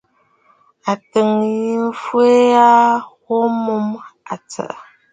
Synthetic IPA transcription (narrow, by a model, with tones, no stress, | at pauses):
a˨tə˨ŋji˨m˦fwe˦a˦wo˦mu˦ma˨t͡sə̰˨ʔ